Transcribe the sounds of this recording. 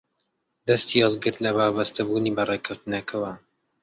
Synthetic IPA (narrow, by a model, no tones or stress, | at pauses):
d̪ɐst̪iɑlˠɡɨɾt̪lɐβaːbɐst̪ɐbuːniːbɐrekʰɐwt̪ɨnɐkʰɐwɐ